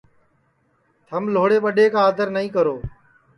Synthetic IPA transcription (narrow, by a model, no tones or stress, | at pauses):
t̪ʰəmloːɽeːɓəɗeːkʰãːəd̪ʱəɾnəĩːkəɾoː